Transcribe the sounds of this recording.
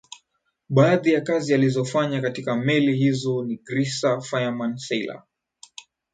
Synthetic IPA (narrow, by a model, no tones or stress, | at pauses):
ɓaːðijakazializɔfaɲakatikamɛlihizɔniɡɾisafajamansɛjla̰